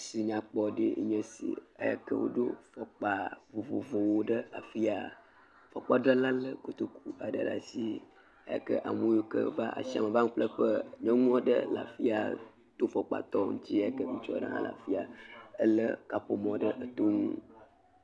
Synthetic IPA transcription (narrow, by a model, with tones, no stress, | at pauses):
si˨ɲã˨k͡pɔ˦ɖḛ˦ɲə̃˦sḭ˨a̰˨ja̰˨kə̰˦wo̰˦ɖo˦fɔ˨k͡pa˨vo˨vo̰˨vo˨wo˦ɖə˦a˨fi˦a˨ | fɔ˨k͡pa˦ɖə˦la˦lə˦ko˨t̪o˦kʰu˦a˨ɖə˨ɖa̰˨si˦ | a˨ja̰˨kə̰˦ʔa̰˨mo˦jo˦kə˦va˦ʔa̰˨si˦a˨mə˨va˦ŋũ˦plə˦ɸə˦ɲɔ̃˦ŋũ˦ɔ̃˦ɖə̰˦la̰˨fi˦a˨ | t̪o˦fɔ˨k͡pa̰˨t̪ɔ˦ŋṵ̃˦t͡ɕi˦a˦˨a˦kə˦mĩ˦t͡ʃɔ˦˨ɖə̰˦nã̰˦lʔa̰˨fi˦a˨ə˦lə˦ka˨ɸo˨mɔ̃˨ɖə˦ʔə˨t̪o˦ŋũ˦